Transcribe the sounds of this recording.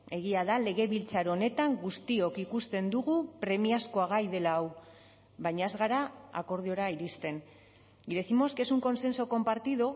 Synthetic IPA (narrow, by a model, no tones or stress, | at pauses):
e̞ɣ̞iaðale̞ɣ̞e̞βilt͡saɾone̞t̪aŋɡust̪io̞kikust̪e̞nd̪uɣ̞upɾe̞miasko̞aɣ̞ajðe̞laːw | βajɲae̞zɣaɾaa̰ko̞ɾð̞io̞ɾaiɾist̪e̞n | ɡiɾesimo̞ske̞suŋko̞nse̞nsoko̞mpaɾt̪iðo̞